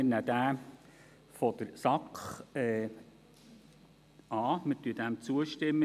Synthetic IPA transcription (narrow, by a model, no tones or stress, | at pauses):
næd̥̪æː | fɔd̥̪əɾsɑkχɛː | ɑːmətyəd̥æmt͡suəʃtɪmːə